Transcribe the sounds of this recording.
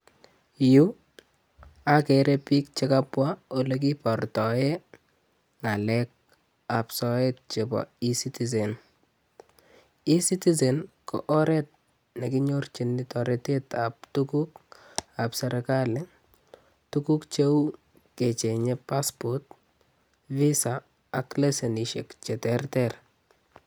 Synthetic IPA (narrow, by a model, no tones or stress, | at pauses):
ju | akɛɾepik̚t͡ʃekapwaolek̬ipɔrtɔje | ŋalɛk̚ | apsɔet̚t͡ʃebɔ̰isitiz̬en | isitis̬enko̰ʔɔɾɛt̚ | nɛkiɲort͡ʃinːɪtɔɾɛtetap̚tukuk | apsɛɾekalɪ | tukukt͡ʃew | ket͡ʃeɲɛpaspɔt | visaː | kleseniʃḛkt͡ʃɛtɛrtɛr